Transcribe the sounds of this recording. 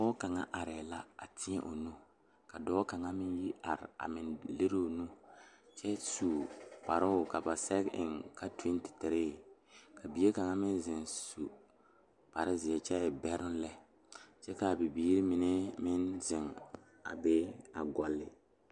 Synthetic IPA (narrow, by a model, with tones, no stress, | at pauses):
ɔː˦ka˨ŋa̰˦ʔa˨ɾɛ˨la˦a̰˨tɪ˦ɛ˦ʔo˨nu˦ | ka˨dɔː˦ka˨ŋa˦mɪ˦n˦ji˦a̰˨ɾɪ̰˨a̰˨mɪ˨nle˦ɾo˦˨nu˦t͡ʃɛ˦su˨pa˨ɾɪ˦ʊ˨ka˨ba˨sɛ˦kɪ̰˨ŋka˦twi˦n˦tɪ̥˨tɪ˨ɾeː˦˨ka˨bi˨˦e˦ka˨ŋa˦mɪ˦n˦zɪ˨nsu˨ | pa˨ɾɪ˦zɪ˨ɛ˨t͡ʃɛ˦˨bɛ˦ɾʊ˦n˦lɛ˦ | t͡ʃɛ˦ka˨bi˨biː˦ɾɪ˦mɪ˨nɛ˦mɪ˦nzɪ˨ŋ | a̰˨be˦a˨ɡɔ˨lːɪ˨